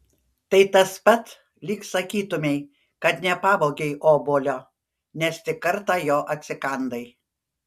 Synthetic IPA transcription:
t̪ɐɪt̪ɐspɐt̪ | lʲiːkssɐkʲiːt̪ʊmʲɛɪ | kɐt̪nʲɛpɑːboːɡʲɛɪʔoːboːlʲoː | nʲɛst̪ʲɪkːɐɾt̪ɑːjoːʔɐt̪ʲsʲɪkɐnd̪ɐɪ

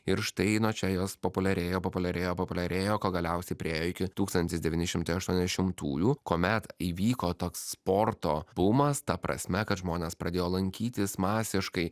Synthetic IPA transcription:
ɪɾʃt̪ɐɪnot͡ʃʲɛjoːspopʊlʲɛɾʲeːjoːpopʊlʲɛɾʲeːjoːpopʊlʲɛɾʲeːjoːkoːɡɐlʲɛʊsʲɛɪpʲɾʲɪeːjoːɪkʲɪt̪uːkst̪ɐnʲt̪ʲɪsd̪ʲɛʋʲiːnʲɪʃʲɪmt̪ɐɪɐʃt̪uɔnʲzʲɛʃʲɪmt̪uːjuːkoːmʲɛt̪iːʋʲiːkoːt̪oːksːpoːɾt̪oːb̥ʊmɐst̪ɐpɾʔɐ̰sʲmʲɛkɐt̪ʒmoːnʲeːspɾɐd̪ʲeːjoːlˠɐŋʲkʲiːt̪ʲɪsmɑːsʲɪʃkɐɪ

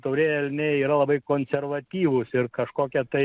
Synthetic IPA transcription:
t̪ɐʊɾʲeːjɛlʲnʲeiːɾɐlˠɐbɐɪkoːnʲsʲɛrʋɐt̪ʲiːʋʊsɪrkɐʃkoːkʲɛt̪ɐɪ

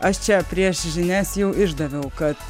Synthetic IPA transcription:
ɐʃt͡ʃʲæpʲɾʲiɛʃʒʲɪnʲæsʲjɛʊʔɪʒd̪ɐʋʲɛʊkɐt̪

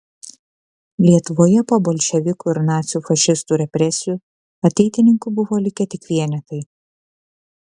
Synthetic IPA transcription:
lʲiɛt̪ʊʋoːjɛpoːbɔlʲʃʲɛʋʲɪkuːɪɾnɑːt̪sʲɪjuːfɐʃʲɪst̪uːɾʲɛpʲɾʲɛsʲɪjuː | ɐt̪ʲɛɪt̪ʲɪnʲɪŋkʊbʊʋoːlʲɪkʲɛt̪ʲɪkʋʲiɛnʲɛt̪ɐɪ

